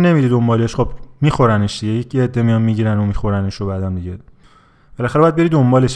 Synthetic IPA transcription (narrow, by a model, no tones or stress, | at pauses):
ne̞miɾid̪o̞mbɒːleʃxobmiːxo̞ɾæneʃd̪iɟejecʰeed̪ːemijɒnmiɟiːɾænomixoɾæneʃobæd̪ænd̪iɟe | b̥e̞læxæɾɒjæd̪be̞ɾid̪o̞mbɒːleʃ